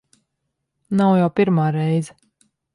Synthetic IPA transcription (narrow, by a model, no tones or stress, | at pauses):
nawjawpʲiɾmaːɾɛjzɛ